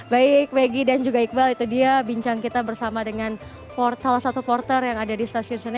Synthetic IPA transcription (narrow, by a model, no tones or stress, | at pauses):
baɪk̚weɡidand͡ʒuɡaik̚balit̪udiabiɲt͡ʃaŋkit̪abərsamadəŋan | pɔrsalahsat̪upɔrt̪ərjaŋadadist̪asiʊnsəna